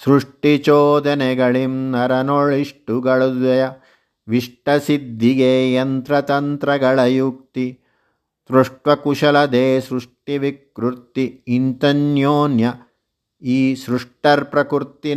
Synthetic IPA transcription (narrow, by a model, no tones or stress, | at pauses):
sɾuʂʈit͡ʃoːd̪ɐnɛɡɐɭimnɐɾɐnoɭiʂʈuɡɐɭud̪ɐjɐ | ʋiʂʈɐsid̪ʱːiɡeːjɐnt̪ɾɐt̪ɐnt̪ɾɐɡɐɭɐjuk̚t̪i | t̪ɾuʂʈʋɐkuʃɐlɐd̪eːsɾuʂʈiʋikɾuɾt̪iːnt̪ɐnjoːnjɐ | iːsɾuʂʈɐɾpɾɐkuɾt̪i